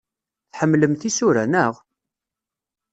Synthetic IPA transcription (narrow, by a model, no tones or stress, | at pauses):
θħəmːləmθisuɾæ̰nəʁ